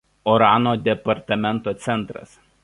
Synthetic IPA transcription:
ɔɾɑːnoːd̪ʲɛpɐɾt̪ɐmʲɛnt̪oːt̪sʲɛnˑt̪ɾɐ̰s

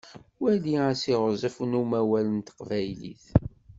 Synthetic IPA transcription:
wæliæsiʁzˤəfnumæwælənt̪ə̥qvæjlḭθ

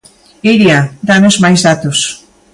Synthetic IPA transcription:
iɾjad̪anozmajzðat̪os

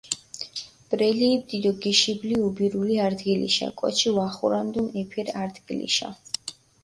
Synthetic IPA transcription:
b̥ɾɛliːmd̪id̪ɔɡiʃibliubiɾuliaɾd̪ɡilḭʃa̰kʼwɔ̰t͡ʃʰivaχuɾand̪unɛpʰɛɾaɾd̪ɡilḭʃa̰

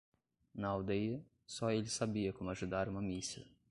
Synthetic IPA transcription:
nɐawd̪ejɐ | sɔelɪsabiɐkõmʊaʒud̪aɾũmɐmisiɐ̰

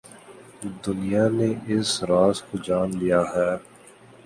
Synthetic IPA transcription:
d̪ʊnijaneʔɪsɾaːzkod͡ʒaːnlijaɦɛː

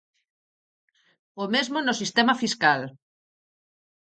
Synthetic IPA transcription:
omezmonosist̪emafiskal

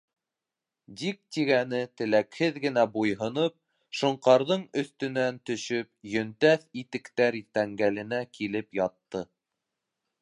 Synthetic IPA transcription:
d̪ik̚t̪iɡænɘt̪ɘ̆lækhɘðɡɘ̆næbujɦɤ̆nɤp̚ | ʃŏɴqɑɾðɤɴɵ̆θt̪ɵ̆nænt̪ɵ̆ʃɵpjɵ̆nt̪æθit̪ɘ̆kt̪æɾt̪æŋɡælɘ̆nækilɘpjɑt̪ːɤ

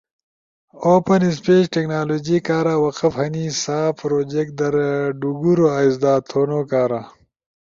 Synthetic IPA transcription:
oːpɐnis̬peːʃʈeknaːloːd͡ʒikaːɾaːwɐqɐfhɐnisaːpɾoːd͡ʒek̚d̪ɐɾɖuɡuɾoaizd̪aːt̪ʰoːnoːkaːɾa

